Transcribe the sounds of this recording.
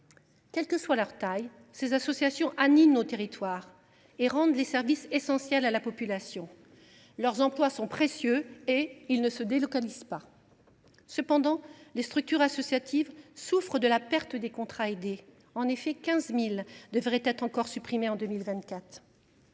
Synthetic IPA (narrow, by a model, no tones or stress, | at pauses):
kʲɛlkəswalœʁt̪aj | sezasɔsjasjɔ̃ʔaninot̪eʁit̪waːʁ | eʁɑ̃d̪lesɛʁvisesɑ̃sjɛlalapɔpylasjɔ̃ | lœʁzɑ̃plwasɔ̃pχesjøeilnəsəd̪elɔkaliz̥pa | səpɑ̃d̪ɑ̃lest̪χyk̚t̪yʁasɔsjat̪ʰivsufχəd̪əlapɛʁt̪əd̪ekɔ̃t̪χaed̪e | ɑ̃nefɛkʲɛ̃zmild̪əvʁɛt̪ɛt̪χɑ̃kɔʁsypχimeɑ̃d̪əmilvɛ̃nt̪kʲat̪χ